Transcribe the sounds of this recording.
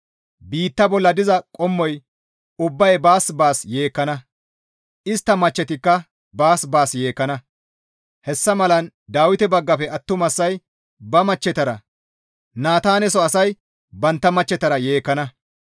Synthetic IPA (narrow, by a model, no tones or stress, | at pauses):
biːt̪ːɐbɔlːɐd̪ɪzɐkʼɔmːɔj | ʊbːɐjbaːsbaːsjeːkːɐnɐ | ʔɪst̪ːɐmɐt͡ʃːɛt̪ɪkːɐ | baːsbaːsje̞ːkːɐnɐ | hɛsːɐmɐlɐnd̪aːwɪt̪ɛbɐɡːɐfɛɐt̪ːʊmɐsːɐj | bɐmɐt͡ʃːɛt̪ɐɾɐ | naːt̪aːnɛs̬ɔɐsɐj | bɐnt̪ːɐmɐt͡ʃːɛt̪ɐɾɐje̞ːkːɐnɐ